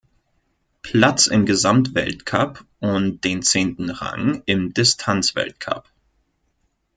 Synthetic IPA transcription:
pʰl̥at͡sɪ̰mɡəzamtv̥ɛ̰ltkʰapʔʊnt̚d̥eːnt͡seːntn̩ʁa̰ŋɪmdɪstʰant͡sv̥ɛ̰lt̚kʰa̰p

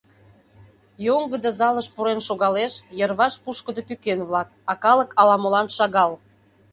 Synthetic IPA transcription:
joŋɡə̆d̪əzɑləʃpuɾenʃoɣɑleʃjərβɑʃpuʃkəd̪opykenβlɑk̚ɑkɑlə̆kʰɑlɑmolɑnʃɑɣɑl

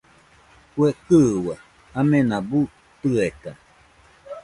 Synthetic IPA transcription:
kwekɨwa | amẽnãbu | t̪ɨet̪a

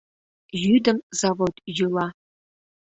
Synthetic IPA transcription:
jyd̪əmzɑvot̪jɯlˠɑ

